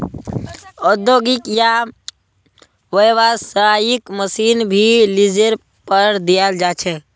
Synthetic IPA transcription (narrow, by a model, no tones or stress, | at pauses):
ɔd̪joɡikja | ʋəjʋasəajikməsinbʱilid͡ʒeɾ | pəɾd̪ijald͡ʒat͡ʃʰɛ